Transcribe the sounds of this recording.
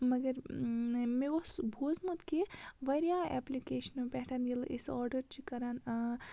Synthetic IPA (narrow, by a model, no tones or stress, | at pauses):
mɐɡɐɾ | meosbʱoːzmɐt̪keʋɐɾjaɛ̰plikeːʃɐnpɛʈʰanilʔisɔːɾɖɐɾt͡ʃikɐɾaːn